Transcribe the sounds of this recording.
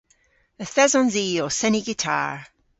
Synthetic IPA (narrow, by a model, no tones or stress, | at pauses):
əθɛzɔ̃nziːɔsɛniɡɪtʰa̰ːɹ